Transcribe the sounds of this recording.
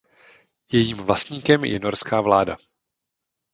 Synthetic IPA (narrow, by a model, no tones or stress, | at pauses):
jɛjiːmvlast̪ɲiːkɛmjʔɛ̰no̞ɾskaːvlaːda̰